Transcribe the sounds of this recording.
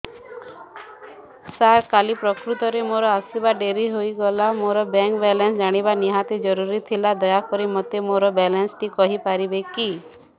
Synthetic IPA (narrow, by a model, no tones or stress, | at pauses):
saɾkalipɾɔkɾut̪ɔɾemoɾɔasibaɖeɾiɦoiɡɔlamoɾɔbɛŋkbɛlensd͡ʒaɽ̃ibaniɦat̪ed͡ʒɔɾuɾit̪ʰilad̪ɔjakɔɾimɔt̪ːemoɾɔbɛlensʈikɔɦipaɾibeki